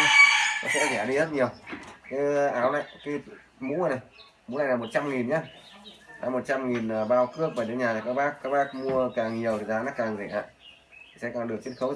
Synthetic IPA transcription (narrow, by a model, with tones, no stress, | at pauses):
nɔ̰˨˦˥sɛ̰˧˥zɛ˧˩˨ɗi˧zə˦˥t̚ɲi˨˩əwkaː˨˦jʔaː˨˦wna̰˧˨jkaː˨˦˧ | mṵ˧˥ə˨˩na˨˩j | mṵ˧˥na̰˧˨jnaː˨˩mo˨˩t̚t͡ɕa˧mŋi˨˩nɲa˨˦ | a̰ː˨˧˦mo˨˩t̚t͡ɕa˧mŋi˨˩nː˨˩ɓaː˧wkɨ˦˥ək̚va˨˩t̪ːɲaː˨˩ta˨˩kaː˦˥k̚ɓaː˦˥k̚kːaː˦˥k̚ɓaː˦˥k̚mu˧əkaː˨˩ŋɲi˨˩əwt̪ʰi˨˩zaː˨˦na˦˥k̚kaː˨˩ŋzɛ˨˧˩ʔa̰ː˧˨j | t̪ʰi˨˩sɛ̰˧˥kɔː˨˩ɗɨ˨˩ək̚t͡ɕi˦˥ənxə˨˦w